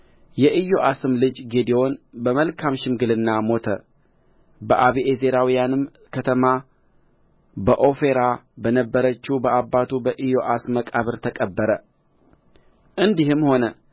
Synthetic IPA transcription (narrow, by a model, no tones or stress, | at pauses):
jɛʔɨjo̞ʔasɨmlɨd͡ʒɡed̪eo̞nbəməlkʰamʃɪmɡɨlɨnːamo̞t̪ʰə̰ | bəʔaβiʔezeɾawijanɨm | kʰət̪ʰəma | bəʔo̞fe̞ɾabənəbːəɾət͡ʃːubəʔabːat̪ʰubəʔɨjo̞ʔasməkʼaβɨɾt̪ʰəkʼəbːəɾə | ʔɨnd̪ihɨmho̞nə